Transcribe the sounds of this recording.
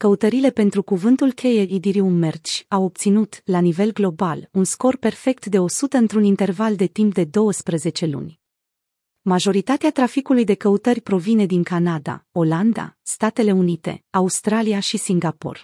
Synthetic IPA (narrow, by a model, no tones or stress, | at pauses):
kəut̪əɾile̞pe̞nt̪ɾukuvɨnt̪ulkʲʰe̞jeid̪iɾiumert͡ʃʲawo̞p̚t̪sinut̪lanive̞lɡlo̞balunsko̞rpe̞rfe̞k̚t̪d̪e̞o̞sut̪əɨnt̪ɾunint̪e̞rvald̪e̞t̪imp̚d̪e̞d̪o̞wəspɾeze̞t͡ʃe̞lṵnʲ | maʒo̞ɾit̪at̪eat̪ɾafikulujd̪e̞kəut̪ərʲpɾo̞vine̞d̪iŋkanad̪a̰o̞land̪a̰st̪at̪e̞le̞unit̪e̞̰aust̪ɾaliaʃisiŋɡapo̞̰r